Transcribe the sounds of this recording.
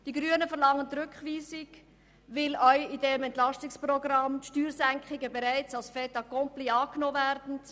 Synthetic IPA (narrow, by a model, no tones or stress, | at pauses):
d̥iɡɾyənəfəʁlɑŋːənt̪ɾʏkχʋiːsɪɡ | vɪlœʏidɛmɛntlɑstɪksprɔɡɾɑmtʃtyːɾsæŋkχɪɡəbɛɾæɪt͡sɑlsfɛtɑkɔmpliɑːknoːvæɾdn̩